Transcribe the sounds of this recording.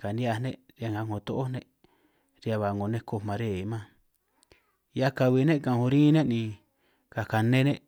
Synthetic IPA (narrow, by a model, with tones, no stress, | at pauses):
ka˨nĩ˦a˧nẽ˦ɾjŋa˧˨ŋõ˨t̪o˦ʔo˦nẽ˦ʔ | ɾi˧a˧βa˨˧ŋɡo˨nẽ˦ko˧mã˨˧ɾe˦˨˦mã˦ | ja˦ka˧βi˧˨nẽ˦kã˨˧hõ˧ɾĩ˦nẽ˦nĩ˧ | ka˨ka˨nẽ˦nẽ˦ʔ